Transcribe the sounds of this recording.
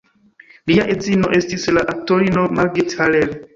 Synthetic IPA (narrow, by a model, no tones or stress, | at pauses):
liaʔed͡zino̞ʔe̞stislaʔak̚to̞ɾino̞maɾɡetʰalel